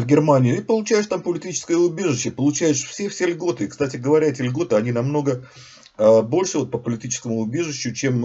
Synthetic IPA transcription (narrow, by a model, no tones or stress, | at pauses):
vɡʲɪrmanʲɪɪipəlˠʊt͡ɕæjɪʂt̪ampəlʲɪtʲit͡ɕɪ̥skəjəʊbʲe̞ʐɨɕːəpəlˠʊt͡ɕæjɪʂfsʲefsʲelʲɡo̞t̪ɨɪkst̪atʲɪɡəvɐɾʲæɛtʲɪlʲɡo̞t̪ɨɐnʲinɐmno̞ɡə | əbo̞lʲʂɨvo̞t̪̚pəpəlʲɪtʲit͡ɕɪ̥skəmʊʊbʲe̞ʐɨɕːʊt͡ɕe̞m